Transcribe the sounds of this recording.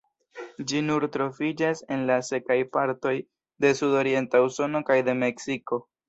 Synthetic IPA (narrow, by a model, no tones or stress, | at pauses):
d͡ʒinuɾtɾo̞fid͡ʒase̞nlase̞kajpaɾto̞j | de̞sudo̞ɾie̞ntauso̞no̞kajde̞me̞ksiko̞